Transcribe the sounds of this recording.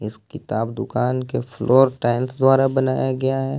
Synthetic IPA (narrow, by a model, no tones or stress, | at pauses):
ɪskɪt̪aːbd̪ʊkaːnkefʰlʔoːɾʈaːɪlsd̪ʊaːɾabɐnaːjaɡɐjaɦɛː